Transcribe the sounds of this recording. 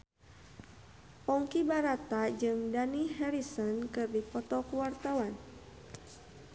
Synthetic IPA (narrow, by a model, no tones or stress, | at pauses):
pɔŋkibaɾat̪ad͡ʒɨŋdaniɦɛɾisɔnkɨrdipɔt̪ɔkuwart̪awan